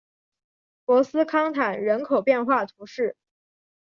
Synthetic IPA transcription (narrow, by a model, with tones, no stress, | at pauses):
pwɔ˧˥sɹ̩˥kʰɑ˥ŋt̪ʰa˨˩nɻə˧˥nkʰo˨˩ʊpjɛ˥˧nxwa˥˩t̪ʰu˧˥ʂɻ̩˥˩